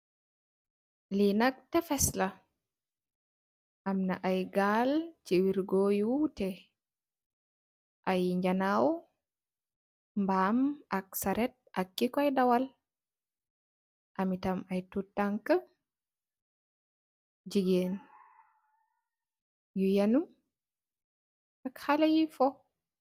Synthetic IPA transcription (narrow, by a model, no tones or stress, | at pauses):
linak̚tɛfɛsla | ʔamnaʔajɡaːlt͡ʃiwiɾɡojutɛ | ʔajɲd͡ʒanaw | mbamak̚saɾɛt̚ʔa̰kːikɔajdawal | ʔamitamajtutːaŋka | d͡ʒiɡen | jujanum | akhalajifɔ